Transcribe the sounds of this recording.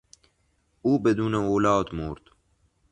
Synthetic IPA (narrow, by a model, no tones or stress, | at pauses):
uːbɛd̪uːnaoːlɑːt̪moːɾt̪